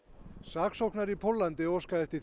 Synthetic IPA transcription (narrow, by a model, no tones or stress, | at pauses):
saːksowhknaɾipʰolːant̪ɪɔskaɛɾ̥t̪ɪ